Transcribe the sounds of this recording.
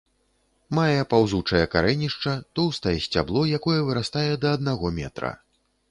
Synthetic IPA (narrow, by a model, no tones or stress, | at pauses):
majɛpawzut͡ʂɐjɛka̰ɾɛnʲiʂt͡ʂɐt̪ɔwst̪ɐjɛsʲt͡sʲa̰blˠɔjakɔjɛvɨɾast̪ajɛd̪ɐːd̪̚naɣɔmʲɛ̰t̪ɾɐ̰